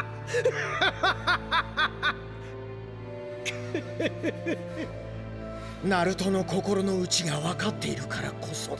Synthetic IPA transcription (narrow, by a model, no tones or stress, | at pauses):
naɾɯ̟t̪o̞no̞ko̞ko̞ɾo̞no̞ɯ̟t͡ɕiɡaβakat̪ːe̞iɾɯ̟kaɾa̰kʰo̞so